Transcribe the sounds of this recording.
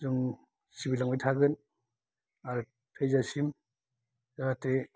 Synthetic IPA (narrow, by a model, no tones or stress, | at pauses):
zɯŋ | sibilaŋbajtʰaɡɯn | aɾ | pʰejzasim | zaɾate